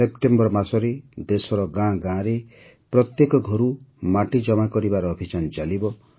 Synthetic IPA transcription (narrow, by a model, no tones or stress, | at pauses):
epʈembɔɾmasɔɾed̪esɔɾɔɡãɡãɾe | pɾɔt̪jekɔɡʱɔɾumaʈid͡ʒɔmakɔɾibaɾɔːbʱit͡ʃant͡ʃalibɔ